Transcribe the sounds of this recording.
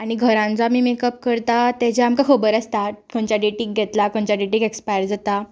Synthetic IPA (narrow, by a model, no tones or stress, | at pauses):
aɽ̃iɡʱəɾãnt͡samiːmekəp̚kəɾt̪at̪ɛd͡ʑɛamkakʰəbəɾast̪akʰoɳt͡ɕaɖeʈiːk̚ɡʱɛt̪lakoɳt͡ɕaɖeʈiːkekspajɾd͡zat̪a